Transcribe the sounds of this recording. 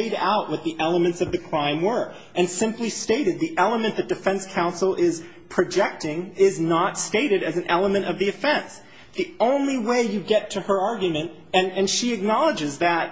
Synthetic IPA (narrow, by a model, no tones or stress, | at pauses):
ɪɾa̰ʊʔ̚wʌt̪̚ðiʔɛlˠəmɨ̃ntsʌvðɨkʰɹ̥ãɪ̃mwə˞ | ʔɨ̃nsɪ̃mplisteɪɾɨd̪̚ðiʔɛlˠəmɨ̃nðɨt̚d̥ɨfɛ̃nskʰãʊ̃nsl̩ˠɪz̥ | pʰɹ̥ɨd͡ʒɛk̚tɪ̃ŋɪznətsteɪɾɨɾɨzn̩ɛlˠəmɨ̃ɾ̃ʌvðiɨfɛ̃ns | ðiõʊ̃nliweɪjɨɡɛtʰɨə˞ɑɹɡjɨmɨ̃nt | ɨ̃nɨ̃nʃiɨk̚nɑlˠəd͡ʒɨzðɨt̚